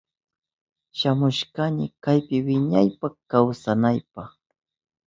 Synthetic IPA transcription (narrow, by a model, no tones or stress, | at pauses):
ʃamʊʃkaɲɪkajpɪwɪɲajpakawsanajpɑχ